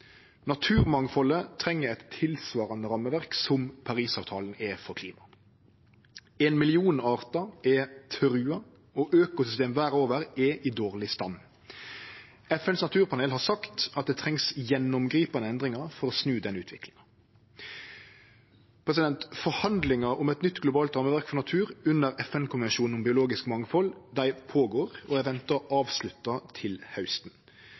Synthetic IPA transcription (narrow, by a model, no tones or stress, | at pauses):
nɑt̪ʰʉːʁmɑŋfɔlət̪ʰɾɛŋːəɾɛt̪ʰːɪlsʋɑːɾɑnəɾɑmːəʋæʁksɔmpʰɑʁiːsɑːʋt̪ʰɑːlən̩ɛfɔɾkʰlḭːmɑ | ɛnmɪlɪuːnɑːʁt̪ɑɛt̪ʰœɾʉːɑ | ɔʔøːkʊsʏst̪eːmʋæːɾoːʋəʁɛʔɪd̪oːʁlɪst̪ɑn | ɛfɛnsnɑt̪ʰʉːʁpʰɑneːlhɑsɑkt̪ɑt̪̚d̪ɛt̪ʰɾɛŋsjɛnːʊmɡɾiːpɑnəɛnd̪ʁɪŋɑɾfɔɾɔsnʉːd̪ɛnʉːt̪ʰʋɪklɪŋɑ | pʰɾɛsɪd̪ɛnt̪fɔɾhɑnd̪lɪŋɑʔʊmɛt̪nʏt̪ːɡlʊbɑːlt̪ɾɑməʋæɾkfɔʁnɑt̪ʰʉːɾʉnəɾɛfɛnkʰʊnʋɛnʃuːnn̩ʊmbɪʊloːɡɪskmɑŋfɔld̪æɪpʰoːɡoːʁɔɛʋɛnt̪ɑʔɑːʋslʉt̪ːɑt̪ʰɪlhɑʉst̪n